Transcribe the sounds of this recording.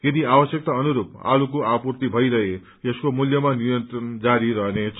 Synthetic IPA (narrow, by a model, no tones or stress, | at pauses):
ked̪iabʌsjʌk̚t̪aʌnuɾup̚a̰lukoʔapurt̪ibʱʌiɾʌɦe | jeskomuljʌmanijʌnt̪ɾʌnd͡zaɾiɾʌɦnet͡sʰ